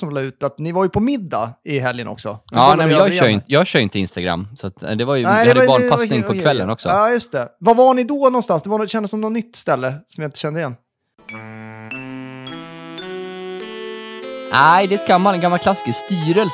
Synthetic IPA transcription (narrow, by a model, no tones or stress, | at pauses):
sɔmlɑʉ̟ːt̪at̪nɪvaɾjɵpʰɔmɪd̪ːa̰ɪɦɛljənʔɔ̰ksɔ̰ɑːnɛmɛnjɑːɡœɾɪnjɑːɡɕœːɾjʏɪnt̪əɪ̰nst̪aɡɾa̰mːsat̪ɛ̰d̪ɛvaɾjənæɪɛavɑːnɪŋpʰɔkʰvɛlːə̰nɔksɔɑːjɵst̪ɛvavaɳɪd̪ɔnɔnst̪ansd̪ɛvanɕɛnd̪əsːɔmnɔnːʏt̪ːst̪ɛlːəsɔmjaɪnt̪ə̥ɕɛnd̪əɪjɛnː | ʔæɪd̪ɛt̪̚ɡamːalɛɡamːalkʰlaskəst̪yːɾəl